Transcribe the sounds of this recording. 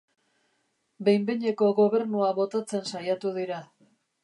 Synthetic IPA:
be̞jmbeɲe̞ko̞ɣo̞βe̞ɾnuaβo̞t̪at͡se̞nsajat̪uðiɾa

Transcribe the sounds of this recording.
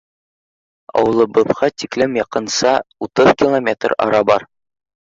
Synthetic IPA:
ɒ̰wɤ̆lˠɤ̆bɤ̆ðʁɑt̪ʲiklɘmjɒqɤ̆nsɑut̪ɤðkʲilˠomʲet̪rɒ̰ɾɑbɑɾ

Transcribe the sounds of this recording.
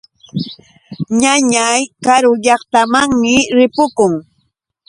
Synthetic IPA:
ɲaɲajkaɾʊʎɑχt̪amaŋmɪɾɪpʊkʊŋ

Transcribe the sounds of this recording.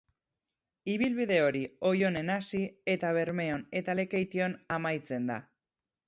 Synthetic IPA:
iβ̞ilβiðe̞o̞ɾio̞jo̞ne̞nasie̞t̪aβ̞e̞ɾme̞o̞ne̞t̪ale̞ke̞jt̪io̞namajt͡se̞nd̪a̰

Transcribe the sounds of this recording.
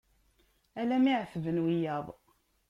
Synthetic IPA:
ælæmiʕθvənwijæðˤ

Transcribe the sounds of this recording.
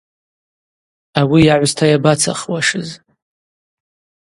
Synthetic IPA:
awijaʕʷstʰajabat͡sʰa̰χwaʂɨz

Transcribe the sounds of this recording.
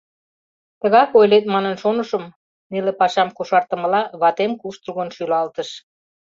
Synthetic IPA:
t̪əɣɑkojlet̪mɑnənʃonəʃə̆m | nelepɑʃɑmkoʃɑrt̪ə̆mə̆lɑβɑt̪emkuʃt̪ruɣənʃylɑlt̪əʃ

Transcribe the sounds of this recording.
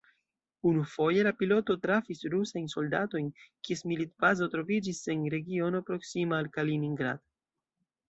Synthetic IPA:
unufo̞je̞lapilo̞to̞tɾafisɾusajnso̞ldato̞jnkiesmilitbazo̞tɾo̞vid͡ʒise̞nɾe̞ɡio̞no̞pɾo̞ksimaːlkaliniŋɡɾa̰d̥

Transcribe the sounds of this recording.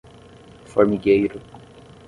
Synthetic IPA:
fɔɹmiɡejɾʊ

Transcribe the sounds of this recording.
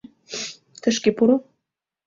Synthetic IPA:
t̪ə̆ʃkepuɾo

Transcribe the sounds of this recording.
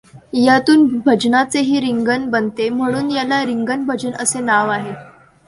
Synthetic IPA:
jat̪uːnbʱəd͡ʑnat͡seɦiːɾiŋɡənbənt̪em̤əɽ̃uːnjalaɾiŋɡənbʱəd͡ʑənəsenaʋaɦe

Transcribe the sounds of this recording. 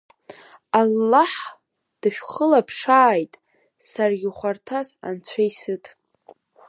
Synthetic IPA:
alːaħ | d̥ɨʃᶣχəlapʰʂaːjtʼ | sarɡʲɪχʷartʰaza̰nt͡ɕʷʰajsɨtʰʼ

